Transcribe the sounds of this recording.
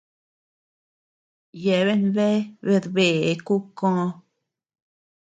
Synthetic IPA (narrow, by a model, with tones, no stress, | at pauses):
je˨βe˦nbe˦be˧ɾbe˨˦ku˦kõ˦